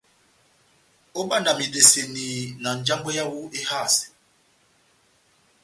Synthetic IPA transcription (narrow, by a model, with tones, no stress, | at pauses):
o˦ɓa˦na˨mi˨de˨se˨niː˨na˨n˨d͡ʒa˦ŋbɛ˦ja˦wu˦e˦ha˦˨sɛ̥˨